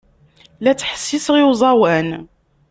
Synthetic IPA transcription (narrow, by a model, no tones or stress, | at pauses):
læt͡sːħə̥sːisʁiwzˤɑwæn